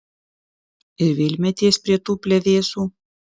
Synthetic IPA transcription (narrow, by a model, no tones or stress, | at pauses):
ɪɾvʲɪlʲmʲɛt̪ʲiːspʲɾʲiɛt̪uːpʲlʲɛðʲeːsuː